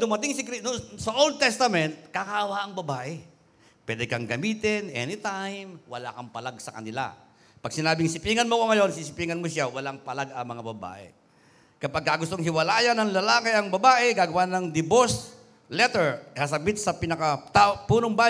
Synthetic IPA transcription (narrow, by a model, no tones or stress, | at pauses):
d̪ʊmɐt̪ɪŋsɪkɾinʊsɐʔold̪̚t̪ɛst̪ɐmɛnt̪̚kakaːwaʔɐŋbɐbaːʔɛ | pwɛd̪ɛkɐŋɡɐmiːt̪ɪnʔɛ̰nɪt̪ajmwɐ̰la̰kɐŋpɐlaɡ̚sɐkɐ̰nɪla̰ | pɐɡ̚sɪnaːbɪŋsɪpiːŋɐnmokoŋɐjo̞nsisɪpiːŋɐnmosawɐlaŋpɐlaɡɐŋmɐŋabɐba̰ːʔɛ̰ | kɐpaɡ̚kːaɡʊst̪oŋɦɪwɐlaːjɐnɐŋlɐlaːkɪɐŋbɐbaːʔɛɡaːɡɐwanɐŋd̪ɪbos | lɛt̪ɛɹhas̬ɐbɪt̪̚sɐpɪnɐkat̪apuːnoŋba